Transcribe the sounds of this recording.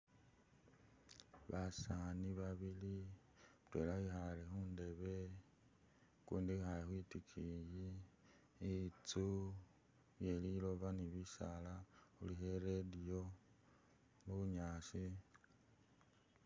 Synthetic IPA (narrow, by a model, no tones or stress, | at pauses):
βasaniβaβili | utwe̞̰lahixalexuːnde̞βe̞ | kuːndixajixwitikʰiji | t͡su | βje̞lilo̞βaniβisalaxuliheɾedijo | muβuɲaːsi